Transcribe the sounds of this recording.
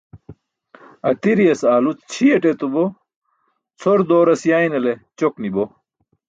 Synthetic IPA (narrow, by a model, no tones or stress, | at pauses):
ɐt̪iɾijɐsaːlut͡st͡ɕʰieʈet̪ubo | t͡sʰoɾd̪oːɾɐsjaːinɐlet͡ɕoknibo